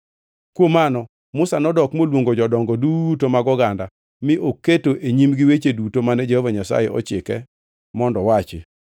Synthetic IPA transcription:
kwomanɔ | mʊsanɔdɔkmolwoŋɡod͡ʒɔdɔŋɡɔdutomaɡɔɡanda | mɪʔokːetoʔeɲimɡɪwet͡ʃedutomanɛd͡ʒehovaɲasa̰jeʔɔ̰t͡ʃɪkɛ | mɔndɔwat͡ʃɪ̰

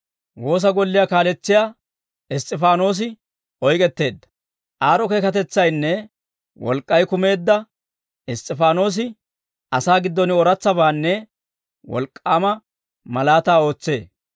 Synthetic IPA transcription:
wo̞ːs̬ɐɡɔlːɪjakaːlɛt͡sːɪjaː | ɪst̪ʼːɪfaːno̞ːs̬ɪ | ʔɔjkʼɛt̪ːe̞ːd̪ːɐ̥ | ʔaːɾɔkeːkɐt̪ɛt͡sːɐjnːɛ | wɔ̰lkʼːɐjkʊme̞ːd̪ːɐ | ɪst̪ʼːɪfaːno̞ːs̬ɪ | ɐsaːɡɪd̪ːɔnɪɔɾɐt͡sːɐbaːnːɛ | wɔ̰lkʼːaːmɐ | mɐlaːt̪aːo̞ːt͡sːe̞̰ː

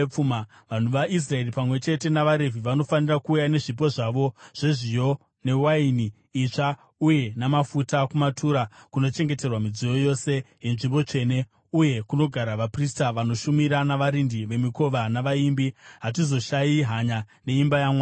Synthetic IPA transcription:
p͡fuma | ʋan̤uʋaʔis̬rae̞ripamwe̞t͡ʃe̞te̞naʋaɾe̞viʋano̞fanirakuːjane̞ʐip̬o̞ʐaʋo̞ʐ̥e̞ʐijo̞ | ne̞wainiː | t͡ʂa | uje̞namafutakumatʰuɾakuno̞t͡ʃe̞ŋɡe̞te̞rwamid͡zijo̞jo̞se̞je̞nʐimbo̞t͡ʂe̞ne̞ | uje̞kuno̞ɡʱaɾaʋapristaʋano̞ʃumiɾanaʋaɾindiʋe̞miko̞ʋanaʋaimbiɦat̬izo̞ʃajiɦaɲa | ne̞imbajamwa

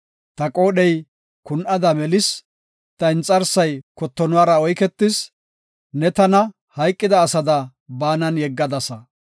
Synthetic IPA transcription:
t̪ɐkʼo̞ːɗɛj | kʊnʔɐd̪ɐmɛlɪs | t̪ɐɪnt͡sʼːɐɾsɐjkɔt̪ːɔnʊwaːɾɐɔjkɛt̪ːɪs | nɛt̪ɐnɐ | hɐjkʼːɪd̪ɐːsɐd̪ɐ | baːnɐnjɛɡːɐd̪ɐsɐ

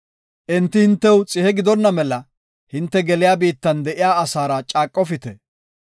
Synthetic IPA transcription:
ʔɪnt̪ːɪhɪnt̪ːɛwt͡sʼɪhɛɡɪd̪ɔnːɐmɛlɐ | hɪnt̪ːɛɡɛlɪjaːbiːt̪ːɐnd̪ɛʔɪjaːsaːɾɐt͡ʃʼaːkʼːɔfɪt̪ɛ

